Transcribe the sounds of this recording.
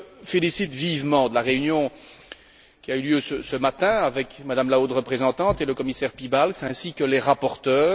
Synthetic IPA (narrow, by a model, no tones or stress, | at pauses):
felisit̪vivmɑ̃d̪əlaʁeynjɔ̃ | kʲiayljøsəsəmat̪ɛ̃avɛkmad̪amlaot̪ʁəpχezɑ̃t̪ɑ̃t̪eləkɔmisɛʁpibalksɛ̃sikəleʁapɔʁt̪œː